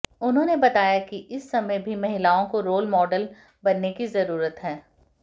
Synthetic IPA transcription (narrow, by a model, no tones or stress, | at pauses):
ʊnɦõːnebɐt̪aːjakiʔɪsːɐməjbʱimɐɦɪlaːõkoɾoːlmɔːɖəl | bɐnːekizɐɾuːɾət̪ɦɛː